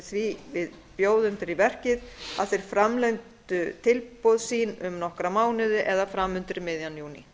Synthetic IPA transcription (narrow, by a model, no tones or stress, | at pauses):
θvivɪð | pjoːwðʏnt̪ɪɾivɛr̥cɪðaðθɛjɾ̥fɾamleɥnt̪ʏt̪ʰɪlpowðsiːnʏmnɔhkɾamaːwnɪðʏʔɛðafɾamʏnt̪ɪɾɪmɪðjanjuːnḭ